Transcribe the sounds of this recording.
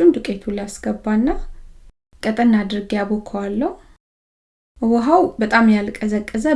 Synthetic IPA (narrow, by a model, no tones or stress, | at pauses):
und̪ɨkʼet̪ʰulasɡ̥əbːanːa | kʼət̪ʼənːad̪ɨɾɨɡjabokʰalːəhu | wɔɦawbət̪ʼamjalkʼəzəkʼːɨzə